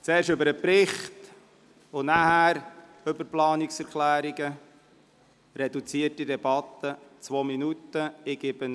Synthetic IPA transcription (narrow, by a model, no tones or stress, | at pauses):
t͡sɛːɾʃɵbəɾəpɾɪχt | ʊnæhæːɾ | ɵbəɾplɑːniksɛɾklæːɾiɡə | ɾɛdut͡siətidɛb̥ɑt̪ːət͡sʋoːminutːəɪɡ̥ɪb̥ə